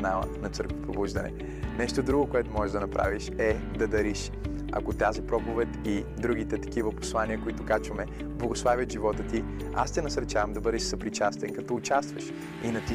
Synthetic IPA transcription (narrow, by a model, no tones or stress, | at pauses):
nalˠə̰nɐt̪sɤɾkvɛpɾobuʒd̪ɐnɛ̰ | nɛʃt̪od̪ɾuɡokoɛt̪ʊmɔʒɛʒd̪ɐnɐpɾʔa̰viʃɛ | d̪ɐd̪ɐɾiʃ | ɐ̰kot̪azipɾɔpovɛt̪id̪ɾuɡ̟it̪ɛt̪ɐ̥k̟ivəpo̥slˠaniəkoit̪ʊkat͡ʃvəmɛ | blˠɐɡoslˠavʲjət̪ʒivɔt̪ət̪i | a̰st̪ɛnɐsɐɾt͡ʃavəmd̪ɐbɤd̪ɛʃsɐpɾit͡ʃast̪ɛnkɐt̪ɔʊt͡ʃast̪vɐʃ | inɐt̪i